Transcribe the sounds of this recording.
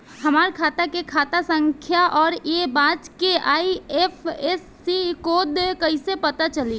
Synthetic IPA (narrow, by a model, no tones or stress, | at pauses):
hɐmaːɾkʰaːt̪akekʰaːt̪asə̃ŋkʰjaʔɔːɾebãːd͡ʒkeaːiefʰesːikoːd̪kɐisepɐt̪at͡ʃɐli